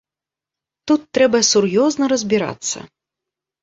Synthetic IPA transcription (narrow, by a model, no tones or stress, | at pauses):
t̪ut̪ːɾɛbɐsurjɔznɐɾɐzʲbʲiɾa̰t̪sːɐ̰